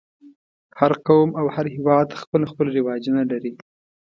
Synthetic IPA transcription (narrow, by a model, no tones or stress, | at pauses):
haɾqawmawhaɾhɪwɑd̪xpəlxpəlɾɪwɑd͡ʒunaɖaɾi